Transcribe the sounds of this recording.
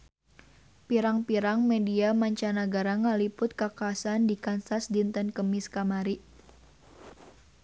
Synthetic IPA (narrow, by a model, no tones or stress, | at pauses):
piɾaŋpiɾaŋmɛdiamaɲt͡ʃanaɡaɾaŋalipʊt̪̚kakaːsandikansasdint̪ənkəmɪskamaɾiʔ